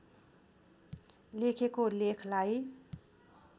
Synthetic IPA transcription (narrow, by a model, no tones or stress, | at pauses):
lekʰekolekʰlaj